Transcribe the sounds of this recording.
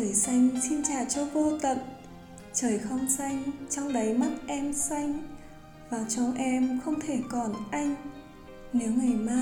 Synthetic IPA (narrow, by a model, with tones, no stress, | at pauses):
əː˧˩jsa˧jŋ̟si˧nt͡ɕaː˨˩t͡ɕɔ˧vo˧t̪ə̰˨t̚ | t͡ɕəː˧˩jxə˧wŋ͡msa˧jŋ̟t͡ɕɔ˧wŋ͡mɗə˨˦jma˦˥t̚ʔɛ˧msa˧jŋ̟ | vaː˨˩t͡ɕɔ˨˧wŋ͡mʔɛ˧mxə˧wŋ͡mt̪ʰe˧˩kɔ˨˩nʔa˧jŋ̟ | ne˨˦wŋa˨˩jmaː˧